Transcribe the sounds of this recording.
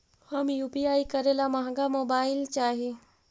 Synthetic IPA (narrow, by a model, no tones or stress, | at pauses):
həmjuːpiaːikəɾelamɐɦãɡamoːbaːɪlt͡ʃaːɦe